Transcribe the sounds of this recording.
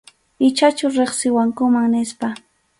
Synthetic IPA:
ɪt͡ʃat͡ʃʊɾeχsɪwaŋkʊmaŋnɪspa

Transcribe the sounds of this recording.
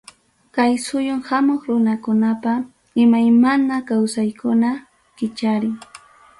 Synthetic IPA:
kajsʊjʊŋhamoχɾʊnakʊnapa | ɪmajmanakawsajkʊna | kɪt͡ʃaɾɪŋ

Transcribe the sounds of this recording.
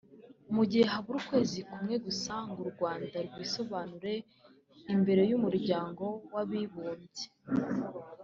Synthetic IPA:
umuɟiheɦaβuɾukwe̞ːzikumŋe̞ɡusaŋɡuɾɡwaːndaɾɡwiːso̞βaːnuɾe̞ | imbe̞ɾe̞jumuɾɟaːŋɡo̞waβiβuːmze

